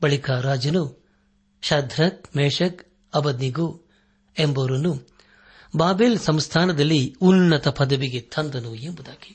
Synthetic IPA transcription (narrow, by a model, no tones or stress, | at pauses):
bɐɭikaːɾaːd͡ʒɐnu | ʃɐd̪ʱɾɐk̚meːʂɐk | ɐbɐd̪niɡu | embɐɾunu | baːbeːlsɐmst̪ʰaːnɐd̪ɐlːiunːɐt̪ɐpɐd̪ɐʋiɡet̪ʰɐnd̪ɐnuembud̪aːɡi̥